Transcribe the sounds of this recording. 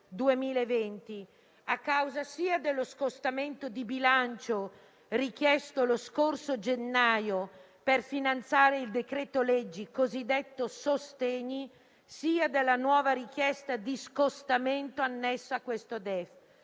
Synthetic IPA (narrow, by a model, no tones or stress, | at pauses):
d̪uemiːlaevɛnt̪i | akːawzasiːad̪elːoskost̪ament̪od̪ibilant͡ʃo | rik̟jɛst̪oloskorsod͡ʒenːaːjo | perfinant̪saːɾeild̪ekɾet̪olɛd͡ʒːikozid̪ɛt̪ːosost̪eɲːi | siːad̪elːanwɔːvaɾik̟jɛst̪ad̪iskost̪ament̪oanːɛsːoakːwest̪od̪ɛf